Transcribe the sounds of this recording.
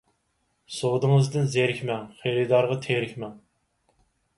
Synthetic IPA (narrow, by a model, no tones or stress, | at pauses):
sod̪ɨŋəzd̪ɨnzeɾɪkʲmɛŋχeɾɨd̪ɑɾʁɑt̪ʰeɾɪkʲmɛŋ